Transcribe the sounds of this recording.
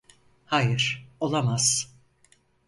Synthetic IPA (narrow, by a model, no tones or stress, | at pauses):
hajɯɾ̥o̞lˠamaz̥